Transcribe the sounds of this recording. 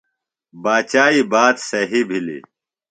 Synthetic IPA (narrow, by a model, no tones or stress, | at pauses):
baːt͡ɕaːibaːt̪sɐɦibʱilḭ